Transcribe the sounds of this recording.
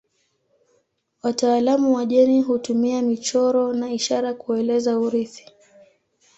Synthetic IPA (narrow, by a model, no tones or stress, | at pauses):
wataːlamuwaʄɛniɦutumiamit͡ʃɔɾɔnaiʃaɾakuɛlɛzauɾiθi̥